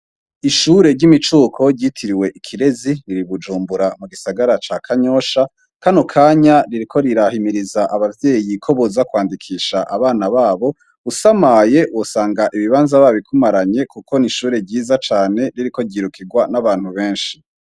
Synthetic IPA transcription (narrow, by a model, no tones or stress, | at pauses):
iʃuːɾe̞ɾɟimit͡ʃuːkʰo̞ɾɟiːtʰiɾiwe̞ʔikʰiɾe̞ziɾiɾiβud͡ʒuːmbuɾamuɡisaɡaɾat͡ʃaːkʰaɲo̞ːʃa | kanokʰaːɲaɾiɾikʰo̞ɾiɾahimiɾizaʔaβavde̞ːjikʰo̞βozakwaːndikʰiːʃaʔaβaːnaβaːβo̞ | usamaje̞wosaːŋɡaʔiβiβaːnzaβaβikʰumaɾaɲe̞kuko̞niʃuːɾe̞bɟiːzat͡ʃaːne̞ɾiɾiko̞ɟiːɾukʰiɡwanaβaːn̥huβe̞ːnʃi̥